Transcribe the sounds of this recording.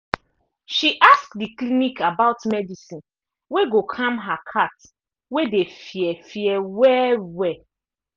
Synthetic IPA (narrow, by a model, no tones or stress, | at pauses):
ʃiʔaskdiklinikabaʊtmɛdisĩn | weɡokʰãmɦakʰat | wedefjɛfjɛwɛwɛ